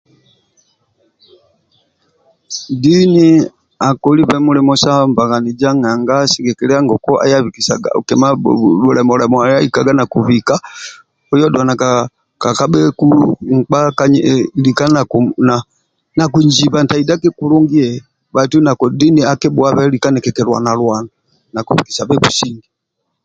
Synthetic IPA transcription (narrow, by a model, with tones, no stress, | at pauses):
di˦ni˦ | a˨kɔ˨li˦βɛ˦mu˦lɛ˨mɔ˦sa˦mba˨ɣa˨ni˨d͡ʒa˦ŋa˨ŋɡa˦si˦ɡɛ˨kɛ˨lɛ˦a˦ŋɡɔ˨kɔ˦ʔa̰˦ja˦vi˨ki˨sa̰˨ɡa̰˨ṵ˨kɛ˨ma˦u˨lɛ˨mɔ˨lɛ˨mɔ˨a˨ja˦i˨ka˨ɡa˦na˨ku˨vi˨ka˦ | ɔ˦jɔ˦dwa˨na˨ka | ka˨ka˦ɓɛ˦kuŋk͡pa˦kaɲlika˦na˨kuna | na˨ku˨ɲd͡ʒi˨βa˨nta˨i˨da˦kɛ˦ku˦lɔ˦ŋɡi˦ɛ | βa˨tu˦na˨kɔdi˦ni˦a˦kɛ˦bua˦βɛ˦li˨ka˦nɛ˨kɛ˨kɛ˨lwa̰˨na˨lwa˨na | na˨ku˨βi˨ki̥˨sa˨βɛ˦βu˨si˦ŋɡi˨